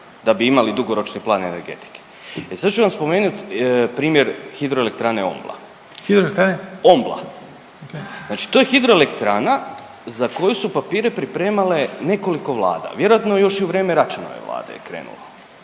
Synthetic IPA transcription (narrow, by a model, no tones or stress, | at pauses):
d̪̥abiimalid̪uɡoɾo̞t͡ʃniplˠaːneneɾɡe̞̰t̪i̥ke̥ | esad̪t͡ʃuʋamspo̞me̞ːnut̪pɾiːmjeɾxid̪ɾoelek̚t̪ɾaːneo̞̰mblˠa̰ | hid̪ɾokt̪ɾaneo̞mblˠa̰ | znaːt͡ʃi̥t̪ojexid̪ɾoelekt̪ɾaːna | zako̞jusupapiːɾe̞pɾipɾe̞ːmale̞ne̞ko̞liko̞ʋlˠa̰ːd̪a̰ʋje̞ɾojat̪nojo̞ʃiuʋɾe̞ːmeɾat͡ʃeno̰jḛʋlˠa̰ːd̪a̰jḛkɾeːnṵlo